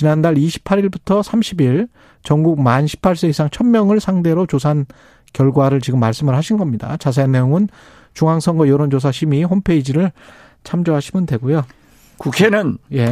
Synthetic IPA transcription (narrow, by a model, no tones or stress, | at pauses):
t͡ɕinandaɭiɕʰi̥pʰaɾiɭbutʰʌsʰamɕʰibiɭ | t͡ɕʌŋɡuk̚manɕʰi̥pʰaɭs͈eisʰaŋt͡ɕʰʌnmːjʌŋɯɭsʰaŋde̞ɾot͡ɕos̬ʰan | kjʌɭɡwaɾɯɭt͡ɕiɡɯmːaɭs͈ɯmɯɭhaɕʰinɡʌmɲida̰t͡ɕas̬ʰenːe̞joŋɯn | t͡ɕuŋaŋsʰʌŋɡʌjʌɾond͡ʑos̬ʰaɕʰimiɦompʰe̞id͡ʑiɾɯɭ | t͡ɕʰamd͡ʑoɦaɕʰimɯndwe̞ɡojo | kukʰenɯnje̞